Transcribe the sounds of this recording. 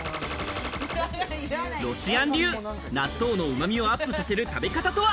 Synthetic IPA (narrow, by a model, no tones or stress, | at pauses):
ɾo̞ɕiãnɾʲɨː | nat̪ːo̞ːno̞ɯ̟mamʲio̞apːɯ̟sase̞ɾɯ̟t̪abe̞kat̪at̪o̞βa